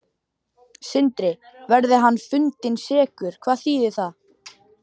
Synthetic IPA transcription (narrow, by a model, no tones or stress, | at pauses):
sɪnt̪ɾɪvɛɾðɪɦanːfʏnt̪ɪnsɛːkʏɾ̥kʰvaːðθiːðɪθað